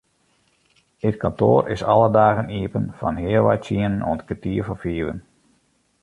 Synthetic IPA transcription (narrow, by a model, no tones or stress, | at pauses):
ətkʰɔnto̰ːrʔɪ̰sɑlˠədaːɣəniəpənfɑ̰nɦɪəlˠʋa̰jtiənənɔ̰ntkətiːəvɔfiəʋə̰n